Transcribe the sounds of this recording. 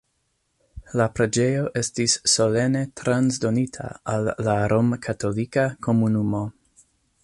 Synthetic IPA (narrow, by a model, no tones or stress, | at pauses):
lapɾe̞d͡ʒe̞jo̞ʔe̞stisːo̞le̞ne̞tɾanzdo̞nitʰa̰alːaɾomkʰato̞likakʰo̞munumo̞